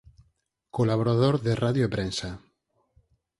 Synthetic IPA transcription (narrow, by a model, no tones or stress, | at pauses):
kolaβ̞oɾaðoɾðeraðjoepɾensa